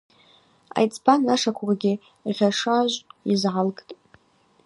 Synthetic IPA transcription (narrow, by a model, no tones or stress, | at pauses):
a̰jt͡sʰʼbanːaʂakʷʰrɡʲɪ | ʁʲaʂaʒʷizʕalɡʼtʼ